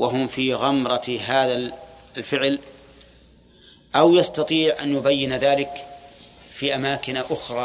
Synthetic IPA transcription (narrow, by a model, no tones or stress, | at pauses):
waɦʊmfiɣamɾˤɑɦaːðalfɪʕl | ʔawjɑst̪ɑt̪ˤiːʕʔa̰njʊbajːɪnðaːlɪk | fiʔamaːkɪnʔʊxɾˤɑː